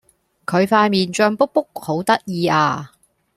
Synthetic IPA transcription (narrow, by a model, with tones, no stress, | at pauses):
kʰɵ˨˧ɥfaː˧jmiː˨nt͡ʃœː˧ŋpʊ˥k̚pːʊ˥k̚ho˨˥wt̪ɐ˥k̚jiː˧aː˧